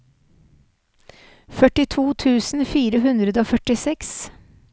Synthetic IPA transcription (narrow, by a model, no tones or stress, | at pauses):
fœʈɪt̪ʰuːt̪ʰʉːsn̩fiːɾəɦʉnd̪ɾəd̪əoːfœʈɪsɛks